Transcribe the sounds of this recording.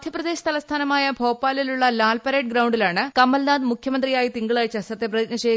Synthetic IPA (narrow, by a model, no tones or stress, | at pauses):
d̪jɐprɐd̪eːɕɐ̥t̪ʰɐlɐst̪ʰaːnɐmaːjɐbʱo̞ːpːaːliluɭːɐlaːlpɐɾeːʈ̚ɡɾɐwɳɖilaːɳɨkɐmːɐlnaːd̪mukʰjɐmɐnd̪rijaːjit̪iŋɡɐɭaːjt͡ɕːɐsɐt̪ːeprɐitnɐɕeː